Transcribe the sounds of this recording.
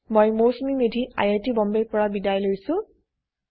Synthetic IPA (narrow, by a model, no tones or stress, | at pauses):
mojmosmimedʱiʔa̰jatibɔmbeɹpɔɹabidajlojsʊ̃